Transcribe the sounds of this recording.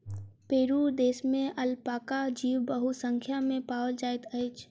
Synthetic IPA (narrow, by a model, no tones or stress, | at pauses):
peːɾuːɾd̪eːsmẽəlpaːkad͡ʒiːwbəɦusə̃ŋkʰjamẽpaːwəld͡ʒaːɪt̪əɪt͡ʃʰ